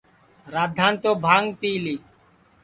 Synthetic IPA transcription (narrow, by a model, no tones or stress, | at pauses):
ɾaːd̪ʱːãːnt̪oːbʱaːŋɡpiːliː